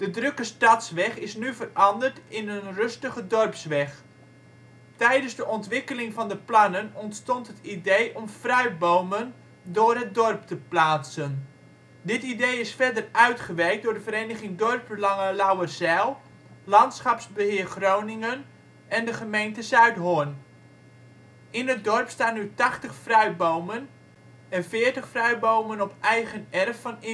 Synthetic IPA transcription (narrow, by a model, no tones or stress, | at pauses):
d̥ədrɵkəstɑtsʋɛχɪsnyvərɑndərtɪnənrɵstəχədɔrpsʋɛχ | tɛjdənzdəʔɔntʋɪkəlɪŋvɑndəplɑnənɔntstɔntɦətidejʔɔmfrœɥbowmən | dʊːrɦət̚dɔrp̚təplaːtsən | dɪtidejɪsfɛdərœɥtχəʋɛjk̚dʊːɹdəvəɾeːnəχɪŋdɔrp̚bəlɑŋəlawərzɛlˠ | lɑntsχɑpsbəɦɪːrχrownɪŋən | ɛndəχəmejntəzœɥtɦon | ɪnət̚dɔrpstaːnːytɑχtəχfrœɥbowmən | ɛnfɪːəɹtəχfrœɥbowmənɔpɛjɣənɛrfːɑnɪ